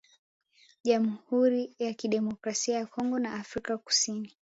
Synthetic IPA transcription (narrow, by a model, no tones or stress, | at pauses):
ʄamhuɾijakiɗɛmɔkɾasiajakʰɔŋɡɔnaʔafɾikaku̥sini